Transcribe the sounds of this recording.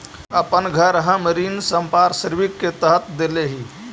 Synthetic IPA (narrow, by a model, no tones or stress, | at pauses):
əpənɡʱəɾɦə̃məɾinsəmpaɾsəɾʋikːet̪əɦət̪d̪eleɦi